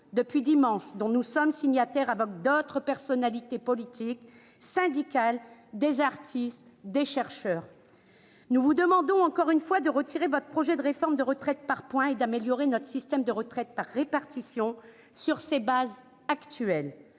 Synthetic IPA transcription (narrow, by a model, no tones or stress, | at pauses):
d̪əpɥid̪imɑ̃ʃd̪ɔ̃nusɔmsiɲjat̪ɛʁavɔk̚d̪ot̪χəpɛʁsɔnalit̪epɔlit̪ʰik | sɛ̃d̪ikald̪ezaʁt̪ʰist̪d̪eʃɛʁʃœːʁ | nuvud̪əmɑ̃d̪ɔ̃ɑ̃kɔʁynfwad̪əʁət̪ʰiʁevɔt̪χəpχɔʒɛd̪əʁefɔʁmd̪əʁət̪χɛt̪̚paʁpwɛ̃ed̪ameljɔʁenɔt̪χə̥sist̪ɛmd̪əʁət̪χɛt̪̚paʁːepaʁt̪isjɔ̃ | syʁsebaz | akt̪yɛl